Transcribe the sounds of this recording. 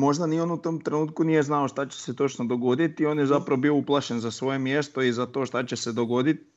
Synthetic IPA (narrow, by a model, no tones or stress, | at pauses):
mo̞ʒd̪anio̞nut̪o̞ːmt̪ɾenuːt̪̚kunije̞znaoʃt̪at͡ɕe̥set̪o̞t͡ʃnod̪o̞ɡo̞d̪it̪io̞ːnjezapɾaʋobiouplˠaʃe̞nzasʋo̞je̞mjest̪o̞izat̪o̞ːʃt̪at͡ɕese̞d̪o̞ɡo̞d̪it̪